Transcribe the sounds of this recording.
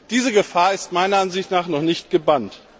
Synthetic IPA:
d̥iːzəɡəfaːɐɪstmaɪnɐʔanzɪçtnaːχnɔχnɪçtɡ̥əbant

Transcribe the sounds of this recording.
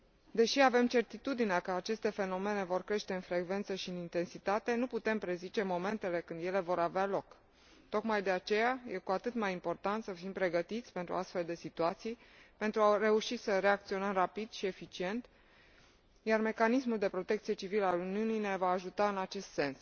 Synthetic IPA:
d̪e̞ʃiave̞mt͡ʃe̞rt̪it̪ud̪ineakəat͡ʃe̞st̪e̞fe̞no̞me̞ne̞vo̞rkɾe̞ʃt̪e̞ɨnfɾe̞ɡve̞nt̪səʃiɨnint̪e̞nsit̪at̪e̞nuput̪e̞mpɾe̞zit͡ʃe̞mo̞me̞nt̪e̞le̞kɨnd̪je̞le̞vo̞ɾavealo̞k | t̪o̞kmajd̪e̞at͡ʃe̞jaje̞kuat̪ɨt̪majimpo̞rt̪ant̪səfimpɾe̞ɡət̪it̪sʲpe̞nt̪ɾuast̪fe̞ld̪e̞sit̪uat̪sijpe̞nt̪ɾuare̞uʃisəre̞akt̪sio̞nəmrapid̪̥ʃie̞fit͡ʃie̞nt̪ | jarme̞kanismuld̪e̞pɾo̞t̪e̞k̚t̪sije̞t͡ʃiviləaluniunijne̞vaːʒut̪aɨnat͡ʃe̞st̪se̞ns

